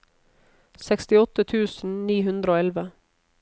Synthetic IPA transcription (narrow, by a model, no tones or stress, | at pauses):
sɛkst̪ɪɔt̪ət̪ʰʉːsn̩niːɦʉnd̪ɾəoːɛlʋə